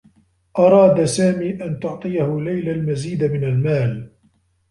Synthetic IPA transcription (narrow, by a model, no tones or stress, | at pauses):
ʔɑɾˤɑːd̪saːmiːʔant̪ʊʕt̪ˤɨjahʊlajlalmaziːd̪amɪnalmaːl